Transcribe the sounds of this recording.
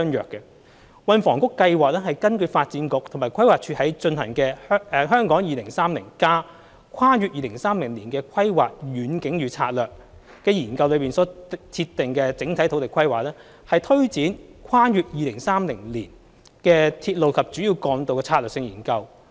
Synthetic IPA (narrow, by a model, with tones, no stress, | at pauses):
ŋjœː˨kːɛ˧ | wɐ˨˧nfɔ̰ː˨˩ŋkʊ˥kːɐ˧jwaː˨k̚ɛː˥ɦɐ˨˩jkɐ˥nkɵ˧ɥfaː˧t̚t͡siː˨˥nkʊ˨k̚t̪ʰʊ˨˩maː˨˩jkʰɐ˥jwaː˨k̚t͡ʃʰyː˧hɐ˨˥jt͡ʃɵ˧nɦɐ̰˨˩ŋkɛː˧˥ɛ˨˧ɦœː˥ŋkɔː˨˥ŋjiː˨lɪ˨˩ŋsaː˥mlɪ̰˨˩ŋkaː˥ | kʷʰwaː˥jyː˧t̚jiː˨lɪ˨˩ŋsaː˥mlɪ˨˩ŋliː˨˩nkɛː˧kʰɐ˥jwa̰ː˨˩k̚ɥyː˨˥nkɪ˨˥ŋjyː˨˧t͡sʰa̰ː˧t̚lœː˨k̚ | kɛː˧jiː˨˩nkɐ˧wlɵ˨˧ɥpiː˨nsɔː˨˥t͡s̪ʰi˧t̪ːɪ˨˩ŋkɛ˧t͡sɪ˨˥ŋt̪ʰt̪ʰo˨˥wt̪ɪ˨kʰɐ˥jwaː˨k̚lɛː˥ | hɐ˨jt̪ʰɵ˥ɥt͡siː˨˥nkʷʰwaː˥jyː˨˧t̚jiː˨lɪ˨˩ŋsaː˥mlɪ˨˩ŋliː˨˩n | kɛː˧t̪ʰiː˧t̚lo˨wkʰɐ˨p̚t͡ʃyː˨˥jiː˧wkɔː˨˧ŋt̪o˨˧wkɛː˧t͡sʰaː˧lœː˨k̚sɪ˧ŋjiː˨˩nkɐ˧w